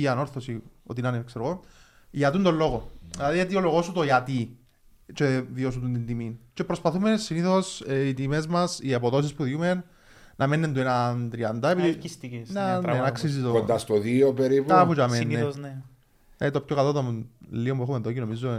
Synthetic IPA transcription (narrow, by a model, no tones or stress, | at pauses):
iɐno̞ɾθosio̰t̪inɐnekseɾoɣo | ʝɐt̪und̪olːo̞ɣoilɐðijɐt̪̬ioloɣo̞sut̪oiɐt̪i | t͡ʃeðios̬ut̪unt̪ind̪imint͡ʃe̞pɾospɐθumesiniθosit̪ime̞zmɐsiepoðo̞s̬ispuðumenː | ɐmenːent̪uenɐnt̪ɾiɐnd̪ɐepiðiifist̪ienɐnenɐksis̬it̪oond̪ast̪oðiopeɾip̪ɐfut͡ʃɐmenːen | et̪o̞pçokɐlot̪olːiombuexumeðocino̞mizːo